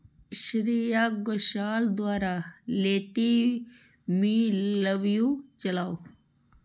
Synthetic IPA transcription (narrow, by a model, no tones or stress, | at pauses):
ʃɾijaɡoʃaːld̪waːɾaleːt̪i | mĩləʋjũt͡ʃɐlaːo